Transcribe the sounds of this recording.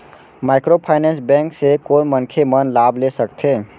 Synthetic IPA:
maːɪkɾopʰaːɪnɛ̃ːnsbɛ̃ːŋksekoːnmənkʰemənlaːblesəkt̪ʰeː

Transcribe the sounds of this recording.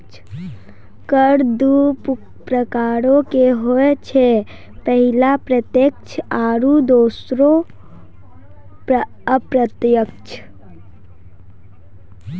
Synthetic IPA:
kəɾd̪up | pɾəkaːɾõkeɦoɛt͡ʃʰɛ | pəɦilapɾət̪jek̚t͡ʃʰaːɾud̪oːsɾo | p | əpɾət̪jəkt͡ʃʰ

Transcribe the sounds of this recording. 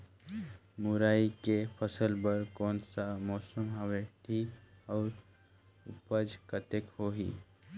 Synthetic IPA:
mʊɾaːikepʰəsəlbəɾkɔːnsamɔːsəmɦɐʋeʈʰiɔːɾ | ʊpəd͡ʒkət̪ekhoɦḭː

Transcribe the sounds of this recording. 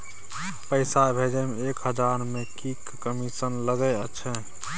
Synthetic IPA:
pəɪsabʱed͡ʒəmeekɦəd͡ʒaɾmekikːəmisənləɡəət͡ʃʰɛ

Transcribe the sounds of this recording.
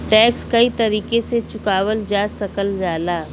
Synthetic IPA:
ʈɛːkskɐit̪ɐɾiːkeset͡ʃʊkaːwəld͡ʒaːsɐkəld͡ʒaːlaː

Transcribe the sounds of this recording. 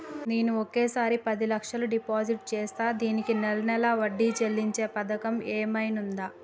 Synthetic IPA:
niːnuɔkeːsaːɾipɐd̪ilɐkʂɐluɖipaːd͡ʒiʈt͡ʃeːst̪aːd̪iːnikinɛlɐnɛlɐʋɐɖːiːt͡ʃelːiɲt͡ʃe̞ːpɐd̪ɐkɐmeːmɐjnund̪aː

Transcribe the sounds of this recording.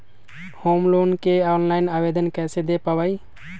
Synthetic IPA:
homlonkeaʊnlaɪnabed̪ənkɛsed̪epəbəj

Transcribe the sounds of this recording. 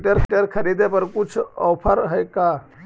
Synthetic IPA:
ʈəɾʈəɾkʰəɾid̪epəɾkut͡ʃʰɔwpʰəɾɦəjka

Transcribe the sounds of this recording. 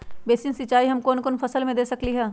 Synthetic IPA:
beːsinsɪt͡ʃaːiɦɐmkoːnkonfʰɐsəlmẽd̪eːsɐkliɦɛː

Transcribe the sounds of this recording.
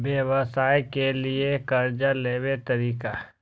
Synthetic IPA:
bjeʋəsaːjkeliekɐɾd͡ʒaleːwet̪ɐɾiːka

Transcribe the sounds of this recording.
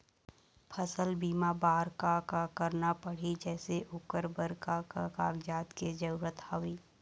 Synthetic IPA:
pʰəsəlbiːmabaːɾkakakəɾnapɐɽ̤id͡ʒɛːseʔʊkəɾbəɾkakakaːɡd͡ʒaːt̪ked͡ʒɐɾuːɾət̪hawiː

